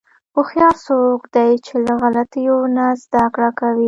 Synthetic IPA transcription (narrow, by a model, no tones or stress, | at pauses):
oxjɑsokd̪ajt͡ʃelaɣalat̪əjonazd̪akɽakawi